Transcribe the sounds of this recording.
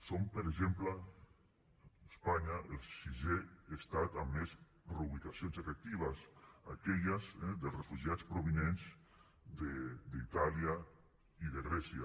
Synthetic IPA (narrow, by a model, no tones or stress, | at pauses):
sompəɾeʒempla | espaɲaʔelˠsiʒeest̪at̪amːez | ruuβit̪asionzefek̚t̪iβ̞asa̰kɛʎazɛd̪əlˠsrefuʒiat͡spɾoβinenz | d̪ed̪it̪alia | iðeɣɾɛsja